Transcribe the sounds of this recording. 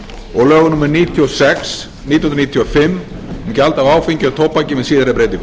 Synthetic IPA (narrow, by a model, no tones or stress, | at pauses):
ɔɣlœːɣʏnumɛɾniːt̪ʰiɔsɛks | nit̪nnɾnit̪ʰjafɪmːɛmcalt̪avaːwfiɲcʏaðt̪ʰowpːacɪmɪðsiːðaɾapɾejt̪ɪ